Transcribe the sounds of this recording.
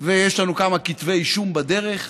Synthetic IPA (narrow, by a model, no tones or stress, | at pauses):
vejeʃlanukamakit̪veiʃumbad̪eʁe̞χ